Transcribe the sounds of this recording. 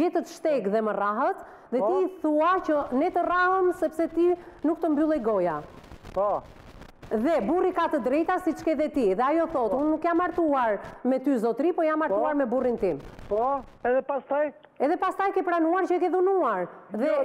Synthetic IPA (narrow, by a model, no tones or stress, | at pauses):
ɛt̪ət̪ʃt̪ɛɡðɛməraɦət̪ | ðɛt̪iθuat͡ʃənɛt̪ərahəmsɛpsɛt̪inuk̚t̪əmbylˠɛjɡɔjapɔ | ðɛburikat̪əd̪ɾɛjt̪asit͡ʃkɛðɛt̪iðɛajɔθɔt̪unːukjamːaɾt̪uaɾmɛt̪yzɔt̪ɾipɔjamːaɾp̪uaɾmɛburint̪impɔɛðɛpast̪aj | ɛðɛpast̪ajkɛpɾanuaɾt͡ʃək̬ɛðunuaɾðɛ